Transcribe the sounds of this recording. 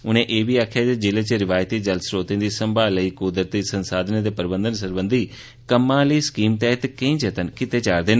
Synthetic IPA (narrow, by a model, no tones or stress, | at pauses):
ʊn̤ẽʔeːbʱiaːkʰijad͡ʒed͡ʑɪlet͡ɕeɾɪʋaːjt̪id͡ʒɐlsɾoːt̪ĩnd̪isɐ̃mbʱaləiːkud̪ɾt̪isɐ̃nsaːd̪ned̪epəɾbə̃nd̪əns̬əɾbə̃nd̪ʱi | kɐmãliːskiːmt̪ɛːɦt̪kẽĩd͡ʒɐt̪ənkɪt̪et͡ɕaːɾd̪eːn